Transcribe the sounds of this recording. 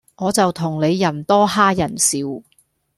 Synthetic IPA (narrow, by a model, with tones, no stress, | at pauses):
ŋɔː˨˧t͡sɐ˨wt̪ʰʊ˨˩ŋle˨˧jːɐ˨˩nt̪ɔː˥ɦaː˥jɐ˨˩nsiː˨˧w